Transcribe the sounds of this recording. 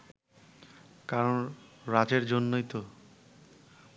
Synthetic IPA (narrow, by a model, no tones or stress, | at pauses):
kaɾonɾad͡ʑeɾd͡ʑonːojt̪o